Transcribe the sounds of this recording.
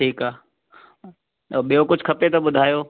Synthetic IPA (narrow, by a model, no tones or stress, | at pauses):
ʈʰiːkaː | ɓijokʊd͡ʑʱkʰɐpet̪ɐɓʊd̪ʱaːjoː